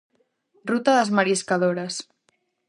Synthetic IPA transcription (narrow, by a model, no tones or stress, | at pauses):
rut̪əðəzməɾiskəðoɾəs